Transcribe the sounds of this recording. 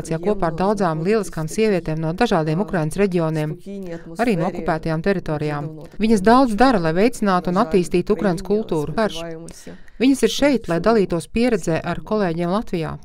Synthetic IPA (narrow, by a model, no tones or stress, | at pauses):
t̪ijaːkuɔpaːɾd̪awd̪zaːmlˠiɛlˠiskaːmsiɛviɛt̪eːmnuɔd̪aʒaːd̪iɛmukɾajnəsɾɛɟioːniɛm | aɾiːnuɔɔkupæːt̪ajaːmt̪ɛɾit̪oːɾijaːm | viɲɐsd̪awd̪zd̪aɾɐlˠajvejt̪sinaːt̪uunat̪ːiːst̪iːt̪ukɾajnskulˠt̪uːɾukaɾʃ | viɲɐsiɾʃɛjt̪lˠajd̪alˠiːt̪uɔspiɛɾɛd̪zɛːʔaɾkɔlˠeːɟiɛmlˠat̪vija̰ː